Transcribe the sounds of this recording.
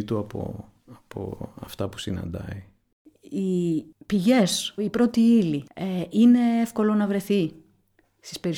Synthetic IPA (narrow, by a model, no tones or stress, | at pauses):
t̪uɐpo̰ | ɐpo̰ɐ̰ft̪ɐpu̥sinɐ̰nd̪ɐ̰i | ipiʝe̞sipɾo̞t̪iilieʔine̞efko̞lo̞nɐvɾe̞θi | st̪i̥spe̞ɾi